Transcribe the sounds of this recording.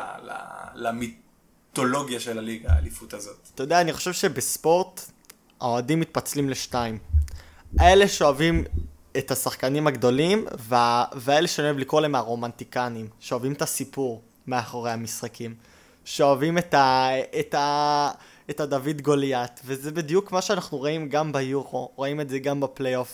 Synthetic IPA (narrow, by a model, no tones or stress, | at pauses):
la̰lami | t̪o̞lo̞ɡjaʃelaliɡa̰lifut̪azo̞t̪t̪ajodeaːniχo̞ʃe̞vʃebespo̞ʁt | ao̞adimːit̪̚pat͡slimleʃtaim | ae̞leʃeoavim | etasaχkanimhaɡd̪o̞limveaveae̞leʃeojevlikolaemaʁo̞mantikanimʃeoavimetasipuʁ | meaχoʁehamisχakim | ʃeoavimetaeta | etadavidɡo̞ljatvezebid̪ijukmaʃeanaχnuʁaimɡambejuʁo̞ʁaimetzeɡambaplejo̞f